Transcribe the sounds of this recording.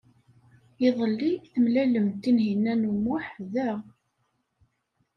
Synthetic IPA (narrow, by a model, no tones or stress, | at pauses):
jiðˤəlːiθəmlæləmt̪ːinɦinːænumʊħðæ